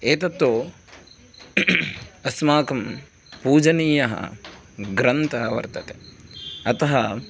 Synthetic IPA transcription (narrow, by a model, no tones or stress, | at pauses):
eːt̪ɐt̪ːoː | ɐsmaːkɐm | puːd͡ʒɐniːjɐɦɐ̰ɡɾɐnt̪ɐɦɐʋɐ̰ɾt̪ɐt̪e | ɐt̪ɐɦɐ